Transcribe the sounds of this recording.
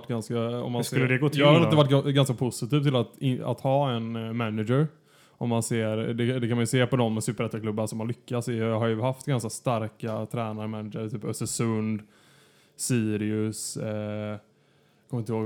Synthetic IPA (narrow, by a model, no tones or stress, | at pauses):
ʈːɡanskaɔ̰mːansɵlːəd̪ɛɡoːt̪ʰːanːatd̪ɛvaʈːɡanskapʰʊsɪt̪ʰiːvt̪ʰɪlat̪ɪa̰t̪hɑːɛnmænɪd͡ʒəɾ | ʔɔmːanseːɾd̪ɛd̪ɛkʰanmanjɵseːpɔd̪ɔmːsʉːpəɾɛt̪ːakʰlɵbːansɔmhanlʏkːasɪɦaɾjɵhaft̪ɡanskast̪aɾkat̪ʰɾɛːnaɾmænɪd͡ʒəɾt̪ʰyːpœst̪əsɵnd̪ | siːɾɪɵs | kʰɔmvɪnt̪əhoːɡ